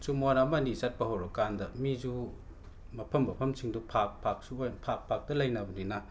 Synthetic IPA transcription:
t͡ʃumonamɐnisat̚pɐɦowɾɐkandɐmizu | mɐpʰɐmːɐpʰɐmt͡ʃʰiŋdupʰak̚pʰak̚suojpʰak̚pʰak̚dɐlɐjnɐbɐninɐ

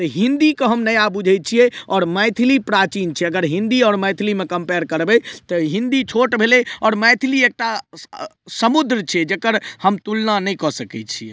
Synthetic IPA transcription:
t̪əɦĩnd̪ikeɦəmnəjabud͡ʒʱɛj̚t͡ʃʰijɛɔːɾmɛjt̪ʰilipɾat͡ʃint͡ʃʰɛəɡəɾɦĩnd̪iɔːɾmɛjt̪ʰilimekəmpeɾkəɾbɛt̪ɔɦĩnd̪it͡ʃʰoʈbʱeleɔːɾmɛjt̪ʰiliek̚ʈa | səmud̪ɾt͡ʃʰɛd͡ʒekəɾhəmt̪ulnanɛjkɔsəkɛt͡ʃʰie

